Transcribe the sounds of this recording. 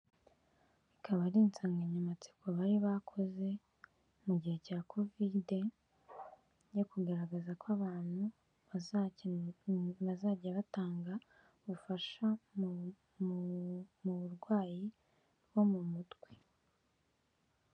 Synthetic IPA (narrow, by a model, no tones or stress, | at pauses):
ikʰaβaɾiːnt͡saːŋɡaɲamat͡si̥koβaɾiβakʰo̞ze̞ | muɟihe̞caːko̞vide | jo̞kuɡaɾaɡazakaβaːn̥hu | βaz | βazaːɟaβataːŋɡa | βufaʃa | muβuɾɡwaːji | ɾwo̞mumutɡ̥we